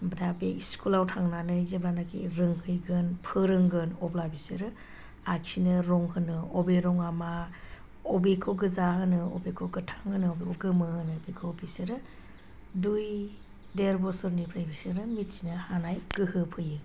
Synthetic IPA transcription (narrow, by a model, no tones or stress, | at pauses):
bədabeiskulawtʰaŋnanɯjzeblanakʰḛɾɯŋhɯjɡɯnpʰɯɾɯŋɡɯnɔblabisɯɾɯ | aksinɯɾɔŋhɯnɯɔbeɾɔŋama | ɔbekʰoɡɯzaɦɯnɯɔbekʰoɡɯtʰḁŋhɯnɯɔbekʰɔɡɯmɯhɯnɯbekʰɯbisiɾɯ | duj | deɾbɔsɯɾnipʰɾajbisɯɾɯmitsinɯhanajɡ̥ɯhɯpʰɯjɯ